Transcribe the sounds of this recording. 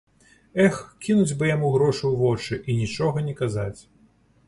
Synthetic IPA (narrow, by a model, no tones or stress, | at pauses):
ɛxkʲinud͡zʲbɨjamuɣɾɔʂuwvɔt͡ʂɨʔinʲit͡ʂɔɣɐnʲɛkazat͡sʲ